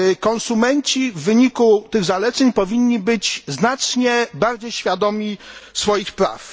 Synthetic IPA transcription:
kɔnsumɛɲt͡ɕivːɘɲikut̪ɘɣzalɛt̪sɛɲpɔvʲiɲːibɘd͡ʑznat͡ʂɲɛbaɾd͡ʑejɕfʲjad̪ɔmʲisfɔjixpɾa̰f

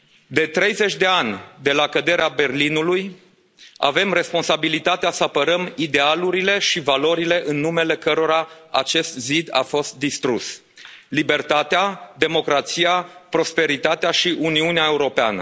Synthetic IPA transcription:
d̪e̞t̪ɾejze̞t͡ʃʲd̪e̞anʲd̪e̞lakəd̪e̞ɾeabe̞rlinuluj | a̰ve̞mre̞spo̞nsabilit̪at̪easəapəɾəmid̪e̞aluɾile̞ʃivalo̞ɾile̞ʔɨnːume̞le̞kəɾo̞ɾaat͡ʃe̞st̪zid̪a̰fo̞st̪̚d̪ist̪ɾus | libe̞rt̪at̪ead̪e̞mo̞kɾat̪siapɾo̞spe̞ɾit̪at̪eaʃiʔuniuneae̞uɾo̞pea̰nə̰

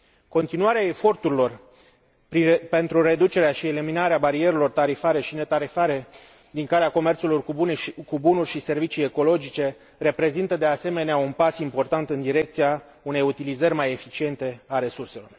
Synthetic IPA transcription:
ko̞nt̪inuaɾeae̞fo̞rt̪uɾilo̞r | pɾipe̞nt̪ɾuɾe̞d̪ut͡ʃe̞ɾeaʃie̞liminaɾeabaɾie̞ɾelo̞rt̪aɾifaɾe̞ʃine̞t̪aɾifaɾe̞ | d̪iŋkaleako̞me̞rt̪sulorkubunurʲʃise̞rvit͡ʃije̞ko̞lo̞d͡ʒit͡ʃe̞ | re̞pɾe̞zint̪əd̪e̞ase̞me̞neaunpasimpo̞rt̪ant̪ɨnd̪iɾe̞k̚t̪sija | une̞jut̪ilizərʲmaje̞fit͡ʃie̞nt̪e̞aɾe̞surse̞lo̞̰r

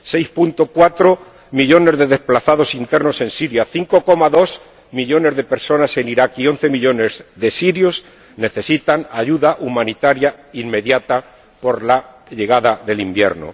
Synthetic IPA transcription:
se̞jspunt̪o̞kwat̪ɾo̞ | miʎo̞ne̞zðe̞ðe̞splaθaðo̞sint̪e̞ɾno̞se̞nsiɾjaθiŋko̞ko̞maðo̞s | miʎo̞ne̞zðe̞pe̞ɾso̞nase̞niɾakio̞n̟θe̞miʎo̞ne̞zðe̞siɾjos | ne̞θe̞sit̪aŋaʝuðaʔumãnit̪aɾjaimme̞ðjat̪a | po̞ɾla | ʎe̞ɣaðaðe̞limbje̞̰ɾno̰

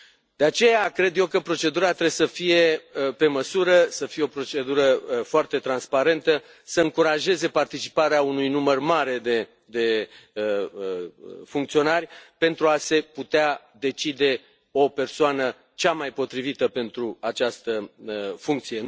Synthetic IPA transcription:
d̪̥e̞at͡ʃe̞jakɾe̞d̪je̞wkəpɾo̞t͡ʃe̞d̪uɾat̪ɾebsəfije̞pe̞məsuɾəsəfijeo̞pɾo̞t͡ʃe̞d̪uɾəfoart̪e̞t̪ɾanspaɾe̞nt̪ə | səɨŋkuɾaʒe̞ze̞part̪it͡ʃi̥paɾeaunujnumərmaɾe̞d̪e | d̪e̞ | fuŋk̚t̪sio̞narʲpe̞nt̪ɾuase̞put̪ea | d̪e̞t͡ʃid̪e̞ | o̞pe̞rsoanə | t͡ʃamajpo̞t̪ɾivit̪əpe̞nt̪ɾuat͡ʃast̪əfuŋk̚t̪sije̞

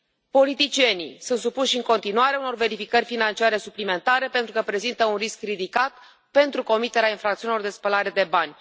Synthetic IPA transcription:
po̞lit̪it͡ʃije̞nḭsunt̪supuʃɨŋko̞nt̪inuaɾeauno̞rve̞ɾifikərʲfinant͡ʃiaɾe̞suplime̞nt̪aɾe̞pe̞nt̪ɾukəpɾe̞zint̪əunriskrid̪ikat̪ | pe̞nt̪ɾuko̞mit̪e̞ɾeainfɾakt̪siunilo̞rd̪e̞spəlaɾe̞d̪e̞banʲ

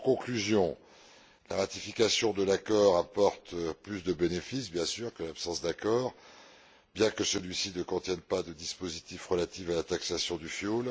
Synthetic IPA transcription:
kɔ̃klyzjɔ̃ | laʁat̪ifikasjɔ̃d̪əlakɔʁapɔʁt̪plysd̪əbenefisbjɛ̃syʁkəlapsɑ̃sd̪akɔːʁ | bjɛ̃kəsəlɥisinəkɔ̃t̪jɛnpad̪əd̪ispozit̪ifʁəlat̪ifalat̪aksasjɔ̃d̪yfjol

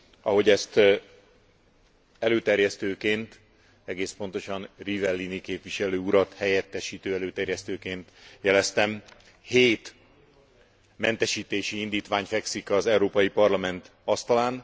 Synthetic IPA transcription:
ɒɦo̞ɟɛst̪ | ɛløːt̪ɛrjɛst̪øːkeːnt̪ | ɛɡeːspo̞nt̪o̞ʃɒnrivɛlːinikeːpʋiʃɛløːuɾɒt̪hɛjɛt̪ːɛʃiːt̪øːɛløːt̪ɛrjɛst̪øːkeːnt̪jɛlɛst̪ɛm | heːt̪ | mɛnt̪ɛʃiːt̪eːʃiind̪iːt̪ʋaːɲfɛksikɒzɛuɾoːpɒjipɒrlɒmɛnt̪ | ɒst̪ɒlaːn

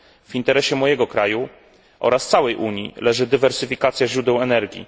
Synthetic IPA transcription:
v̥int̪ɛɾɛɕɛmɔjɛɡɔkɾaju | ʔɔ̰ɾast̪sawɛjʔuɲjḭlɛʐɘd̪ɘvɛɾsɘfʲikat̪sʲjaʑɾud̪ɛwɛnɛɾɡʲḭ

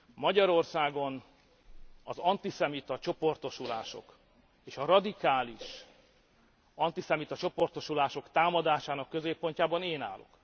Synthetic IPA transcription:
mɒɟɒɾo̞rsaːɡo̞n | ɒzɒnt̪isɛmit̪ɒt͡ʃo̞po̞rt̪o̞ʃula̰ːʃo̞̰k | eːʃɒɾɒd̪ikaːliʃ | ɒnt̪isɛmit̪ɒt͡ʃopo̞rt̪o̞ʃulaːʃo̞kt̪aːmɒd̪aːʃaːnɒkːø̞zeːpːo̞ɲcaːbɒneːna̰ːlʔo̞̰k

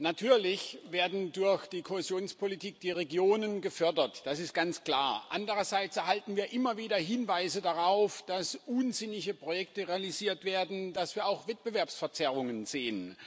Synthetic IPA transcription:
natʰyːɐlɪçveːɐdn̩dʊɐçd̥iːkʰoezjoːnspʰolitiːk̚d̥iːʁeɡjoːnənɡəfœɐdɐtd̥asɪst̚ɡ̥ant͡skl̥aːɐʔa̰ndəʁɐzaɪt͡sɛɐɦaltn̩viːɐʔɪmɐviːdɐɦɪnvaɪzədaʁaʊfd̥asʔuːnzɪnɪçəpʁ̥ojɛk̚təʁealiziːɐtv̥eːɐdn̩dasv̥iːɐaʊxv̥ɛt̚b̥əvɛɐpsfɛɐt͡sɛʁ̞ʊŋənzeːən

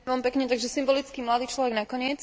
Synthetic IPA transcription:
ɛmpɛkɲɛt̪aɡʒɛsimbɔlit͡skimlad̪iːt͡ʃlɔʋɛɡnakɔɲɪɛt͡s

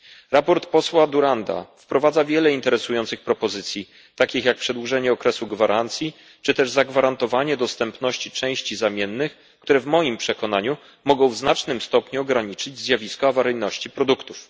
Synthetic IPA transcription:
ɾapɔɾt̪pɔswad̪uɾand̪a̰fpɾɔvad̪zavʲjɛlɛint̪ɛɾɛsujɔ̃nt̪sɘxpɾɔpɔzɘt̪sʲji | t̪akʲixjak̚pʂɛd̪wuʐɛɲɛɔkɾɛsuɡvaɾʔant̪sʲji | t͡ʂɘt̪ɛʐzaɡvaɾant̪ɔvaɲɛd̪ɔst̪ɛmpnɔɕt͡ɕit͡ʂɛ̃w̃ɕt͡ɕizamʲjɛnːɘx | kt̪uɾɛvmɔjimpʂɛkɔn̪aɲu | mɔɡɔ̃w̃vznat͡ʂnɘmst̪ɔpɲuɔɡɾaɲit͡ʂɘd͡ʑzʲjavʲiskɔavaɾɘjnɔɕt͡ɕipɾɔd̪ukt̪uf

